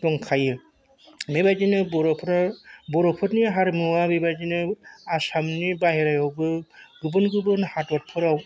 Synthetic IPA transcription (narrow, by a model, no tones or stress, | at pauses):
dɔŋkʰajɯ | mebajd͡ʒinɯbɔɾɔpʰɾbɔɾɔpʰɯtnijɦaɾmɯwabebad͡ʒinɯasamnibaɦeɾajɔwbɯɡɯbɯnɡɯbɯnhatwat̚pʰɯɾaw